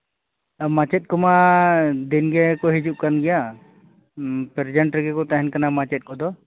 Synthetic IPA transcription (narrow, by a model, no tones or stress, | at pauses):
mat͡ʃɛt̪̚kɔmad̪inɡɛkɔɦid͡ʒuʔ̚kanɡɛja | pɛɾd͡ʒɛɳʈɾɛɡɛkɔt̪aɦɛnkanamat͡ʃɛt̪̚kɔd̪ɔ